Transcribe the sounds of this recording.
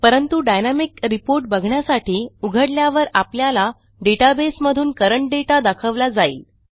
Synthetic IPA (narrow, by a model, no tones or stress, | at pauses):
pəɾənt̪uɖajnamikɾipoɾʈ̚bəɡʱɳjasaʈʰiːuɡʱəɽljaʋəɾapljala | ɖeʈabesməd̪ʱuːnkəɾəɳʈɖeʈad̪akʰəʋlad͡zaḭːl